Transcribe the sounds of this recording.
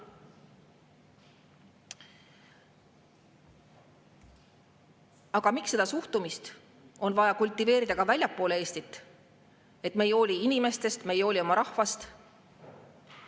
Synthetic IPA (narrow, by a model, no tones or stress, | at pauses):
ɑɡ̥ɑmiksːe̞d̪̥ɑsuht̪umist̪ | o̞nvɑjɑkulʲt̪ˑːive̞ːɾid̪̥ɑkɑvælʲjɑpːˑo̞ːlee̞ːst̪it̪ːˑ | e̞t̪ːˑme̞jo̞ːlʲiinime̞st̪e̞st̪me̞jo̞ːlʲio̞mɑɾɑhvɑst̪